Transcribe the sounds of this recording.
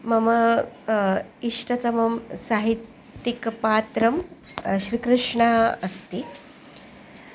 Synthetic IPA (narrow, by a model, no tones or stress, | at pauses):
mɐmɐ | iʂʈɐt̪ɐmɐmsaːɦit̪ː | ikpaːt̪ɾɐm | ɕɾikɾɨʂɳaɐst̪i